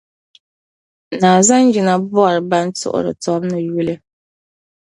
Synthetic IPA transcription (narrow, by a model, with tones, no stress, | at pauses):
naː˨za˦nd͡ʒi˨na˦bʊ˦a˨ɾɨ˨ba˦ntʊ̰˦ʔʊ̰˨ɾɨ̰˨tɔ˦bnɨ˨ju˦lɨ˦